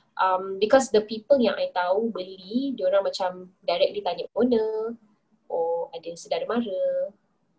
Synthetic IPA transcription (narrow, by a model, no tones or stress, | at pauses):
ʔambikɔsd̪əpipəljãŋʔajt̪aubəlidioɾãŋmat͡ʃamdajɾɛk̚lit̪aɲəʔ̚ɡonə | ʔoadəsədaɾəmaɾə